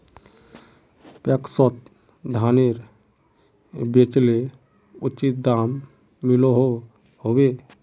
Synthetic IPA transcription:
pɛksɔt̪̚ | d̪ʱaneɾ | bet͡ʃle | ʊt͡ʃit̪̚d̪amː | iloɦo | hobe

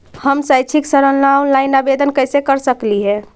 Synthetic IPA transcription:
həmsajt͡ʃʰiksəɾəllawlaɪnabed̪ʱənkəjsekəɾsəkliɦɛ

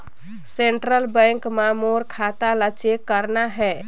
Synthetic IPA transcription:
seɳʈɾəlbə̃ŋkmamoɾkʰat̪alət͡ʃekːəɾnaɦɛ

